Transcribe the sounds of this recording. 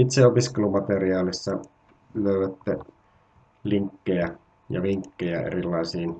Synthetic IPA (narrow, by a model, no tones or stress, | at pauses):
it̪seopiskelumɑt̪eriɑːlisːɑ | løˑyʋæt̪ːe | liŋkːejæ | jɑ̰ʋiŋkːejæḛrilːˑɑˑisiːn